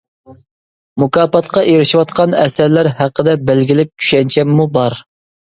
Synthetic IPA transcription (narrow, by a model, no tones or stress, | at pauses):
mukɑːpɑt̪qɑʔeɾɪʃiwɑt̪̚qʰɑnɛsæɾlæɾɦæqːəd̪ɛbælɡʲilɪk̚ʲt͡ʃʰy̥ʃɛnt͡ʃʰɛmːubɑɾ